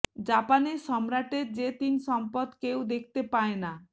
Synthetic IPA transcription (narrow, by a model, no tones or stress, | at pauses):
d͡ʒapanesɔmɾaʈeɾd͡ʒet̪insɔmpɔd̪kewd̪ekʰt̪epaena